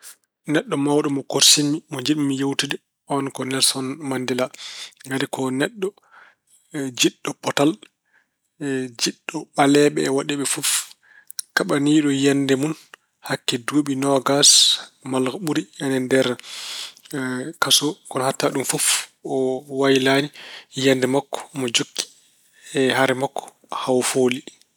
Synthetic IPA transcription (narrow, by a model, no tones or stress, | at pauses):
nɛɗːɔmawɗɔmɔkoɾsimimɔd͡ʒiɗimːijewtidɛ | ʔɔnkɔnɛlsɔnmandilaŋɡaɾikɔnɛɗːɔ | d͡ʒiɗːɔpɔtal | d͡ʒiɗːɔɓalɛɓɛːwaɗɛɓɛfuf | kaɓaniːɗɔjanːdɛmun | hakːɛduɓinɔɡasmalɡɔɓuɾiɛnɛndɛɾ | kasɔkɔnɔhatːaɗumfufɔwajilanijandɛmakːɔ̥mɔd͡ʒokʰːi̥ | ɛhaɾɛmakːɔ̥ | hawfoːli